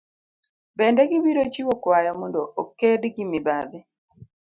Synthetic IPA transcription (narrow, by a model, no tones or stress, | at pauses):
bɛndɛɡibiɾot͡ʃiwokwajɔmondoʔokedɡimibabɛ